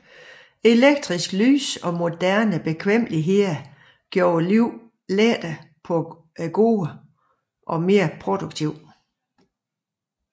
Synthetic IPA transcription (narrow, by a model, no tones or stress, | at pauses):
e̝leɡ̥̚d̥ʁisɡ̥ly̰ːsɒ̽mo̝d̥æɐnəb̥e̝kʰʋem̰liɦe̝ðɐ | ɡ̥jo̝ːɐliʊ̰ | led̥æpʰɔ̽ | ɡ̥o̝ːə | ʔɒ̽me̝ːɐpʰʁod̥uɡ̥̚t͡sʰiʊ̰